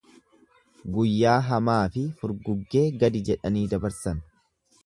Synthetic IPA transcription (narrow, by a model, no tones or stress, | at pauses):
ɡʊjːaːɦɐmaːfɪfʊɾɡʊɡːe̞ːɡɐd̪ɪd͡ʒɛᶑɐniːd̪ɐbɐɾsɐn